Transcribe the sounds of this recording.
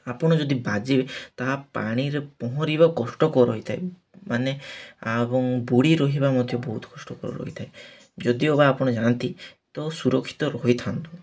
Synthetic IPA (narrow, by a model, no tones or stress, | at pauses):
apɔɽ̃ɔd͡ʒɔd̪ibad͡ʒibet̪aɦapaɽ̃iɾepɔɦɔɾibakɔsʈɔkɔɾɔɦit̪ʰae | maneabɔŋbuɽiɾɔɦibamɔd̪ʱjɔbɔɦut̪ɔ̥kɔsʈɔkɔɾɔ̰ɾɔ̰ɦit̪ʰae | d͡ʒɔd̪iobaːpɔɽ̃ɔd͡ʒãnt̪it̪ɔsuɾɔkʰːi̥t̪ɔɾɔɦjt̪ʰant̪u